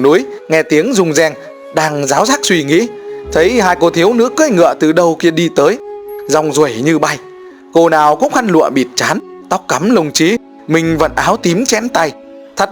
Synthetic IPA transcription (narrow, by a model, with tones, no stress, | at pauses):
nu˨˦əjŋɛ˧t̪i˨˦əŋzʊ˨˧˩ŋ͡mzɛ˧ŋ | ɗaː˧ŋzaː˨˦wzaː˦˥k̚swi˧ŋḭ˧˥t̪ʰə˨˦jhaː˧jko˧t̪ʰi˨˦əwnɨ̰˧˥əkəː˧˥jŋɨ̰˧˨ət̪ɨ˨˩ɗə˧wki˧əɗi˧t̪əː˨˦jzɔ˨˩wŋ͡mzu˨˧˩ə˨jɲɨ˧ɓa˧j | ko˧naː˨˩wkʊ̰˧˥ŋ͡mxa˧nlṵ˧˨əɓi˨˩t̚t͡ɕaː˨˦nt̪a˦˥wk͡p̚ka˨˦mlə˨˩wŋ͡mt͡ɕi˨˦ | mï˨˩ŋ̟və̰˧˨nʔaː˨˦wt̪i˨˦mt͡ɕɛ˧˥nt̪a˧j | t̪ʰə˨˥